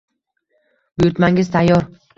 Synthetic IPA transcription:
bʊjʊɾt̪maŋɪzt̪ʰajːɒɾ

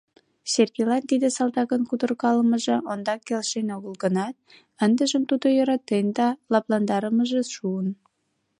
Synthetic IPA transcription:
ɕerkelɑnt̪id̪esɑlt̪ɑkənkud̪ə̆rkɑləməʒĕʔond̪ɑkːelʃenoɣəlɡənɑt̪̚ | ənd̪əʒəmt̪ud̪ojoɾɑt̪end̪ɑlɑplɑnd̪ɑɾəməʒeʃuən

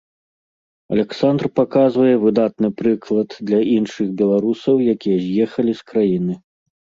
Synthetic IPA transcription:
ɐ̰lʲɛksand̪rpakazvɐjɛvɨd̪at̪nɨpɾɨklˠɐd̪d̪lʲɐinʂɨɣbʲɛlˠaɾusɐwjakʲijɛzʲjɛxɐlʲiskɾajinɨ

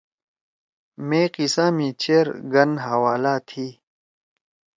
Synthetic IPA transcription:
mẽːqisãːmĩːt͡ɕʰeːɾɡɐnɦawaːlaːt̪ʰiː

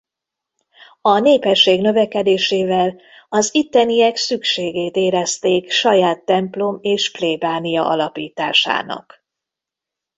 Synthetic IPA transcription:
ɒneːpɛʃːeːɡnø̞vɛkɛd̪eːʃeːvɛl | ɒzit̪ːɛnijɛksykʃeːɡeːt̪eːɾɛst̪eːkʃɒjaːt̪ːɛmplo̞meːʃpleːbaːnijɒ̰ʔɒlɒpiːt̪a̰ːʃa̰ːnɒ̰k

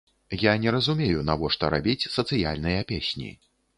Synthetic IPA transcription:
janʲɛɾɐzumʲejunavɔʂt̪ɔɾabʲit͡sʲsɐt̪sɨja̰lʲnɨjɐpʲesʲnʲḭ

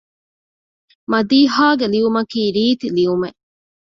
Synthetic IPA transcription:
mɐd̪iːɦaːɡeliʋumɐkiːɾiːt̪iliʋumeʔ

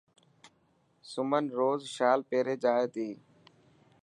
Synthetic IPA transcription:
sʊmənɾoːzʃaːlpeːɾeːd͡ʒaːeːt̪iː

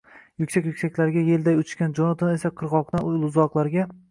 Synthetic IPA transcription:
jʊkʲsakʲjʊkʲsakʲlaɾɪɡʲaje̞ld̪ajʊt͡ʃt͡ʃʃkʲand͡ʒonat̪ʰone̞saqʰɨɾʁɒqt̪anʊjlˠʊzɒqlˠaɾɡʲa

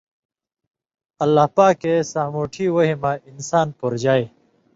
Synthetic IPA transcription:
ɐlːaːhpaːkesaːmoːʈʰiwoɦimainsaːnpoɾd͡ʑaːe

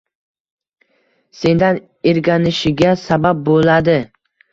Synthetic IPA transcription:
se̞nd̪an | eɾɡʲanɪʃɪɡʲasabap̚bolad̪ɪ

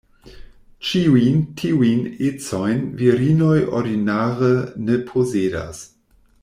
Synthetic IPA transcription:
t͡ʃiuntʰiujnet͡sojnviɾinojʔo̰ɾdinaːʁənepʰoseda̰s

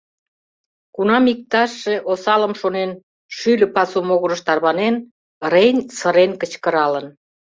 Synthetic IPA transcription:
kunɑmik̚t̪ɑʃːeʔosɑləmʃonen | ʃylʲə̆pɑsumoɣəɾə̆ʃt̪ɑrβɑnen | renʲsə̆ɾenkə̆t͡ɕkə̆ɾɑlən

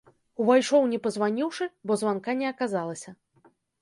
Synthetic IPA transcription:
uvajʂɔwnʲɛpɐzvanʲiwʂɨbɔzvankanʲɛɐkazalˠɐsʲɐ

